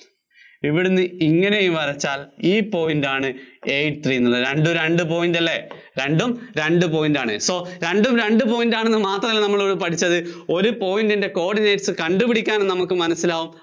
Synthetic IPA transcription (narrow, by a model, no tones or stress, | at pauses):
iʋiɽunːɨiŋːɐne̞jumʋɐrɐt͡ɕːaːliːpo̞ːjindaːɳɨe̞jʈt̪ʰriːnːulːɐðɾe̞ɳɖoɾɾe̞ɳɖɨpo̞ːjindɐlːe̞ | ɾe̞ɳɖumɾe̞ɳɖɨp̬o̞ːjindaːɳɨ̰so̞ːɾe̞ɳɖumɾe̞ɳɖɨpo̞ːjindaːɳenːɨmaːt̪ːrɐilːnɐmːɐɭoːɽɨpɐʈʰit͡ɕːɐðɨo̞ɾupo̞ːjindinde̞ko̞ːɽinejʈsɨkɐɳɖupiɽikʲːaːnnnɐmukːɨmɐnɐsːilaːʋum